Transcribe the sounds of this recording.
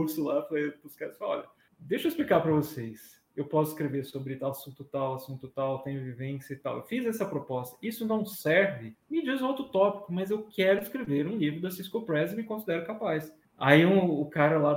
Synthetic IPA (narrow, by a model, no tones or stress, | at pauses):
uɾsʊlapɾɐepuskasfaɔ̰ʎɐ | d̪ejʃoisplikaɾpɾɐvosejs | ewpɔs̬ʊiskɾeveɾsobɾɪt̪aasũt̪ʊt̪awasũt̪ʊt̪awt̪ẽj̃ɐvivẽsjɐɪt̪a̰wḛwfizɛsɐpɾopɔst̪ɐ̥isʊ̃nɐ̃w̃sɛɾvɪmɪd͡ʒizũowt̪ɾʊt̪ɔpi̥kʊmɐzewkʰɛɾʊɪskɾeveɾũlivɾʊd̪ɐsiskopɾɛzɪmɪkõsid̪ɛɾʊkapajs | aiũʊkaɾɐla